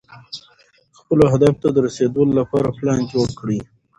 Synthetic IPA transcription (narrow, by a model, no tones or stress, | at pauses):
xpəloɦad̪aft̪ad̪əɾased̪əlolapɑɾaplɑnd͡ʒoɽkɽi